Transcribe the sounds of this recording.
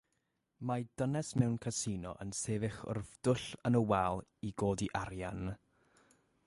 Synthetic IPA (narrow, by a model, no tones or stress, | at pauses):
mad̥ənɛsmɛwnkʰasinɔ̰ʔə̰nseːvɪχʊ̰rvd̥ʊɬənəwalˠiɡoːdiʔaɾjan